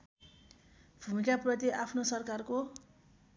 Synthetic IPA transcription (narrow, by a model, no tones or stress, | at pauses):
bʱumikaprʌt̪iʔapʰnosʌrkarko